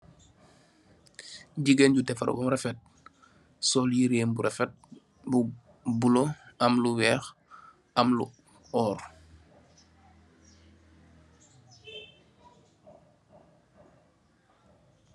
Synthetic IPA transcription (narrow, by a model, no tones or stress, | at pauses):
ɟiɡenɟutɛfɐ̰ɾ̰bɔmɾɛfɛt̚ | sɔljiɾeːmbuɾɛfɛt̚ | bu | buloɐmluwɛːx | ɐmlu | ɔːr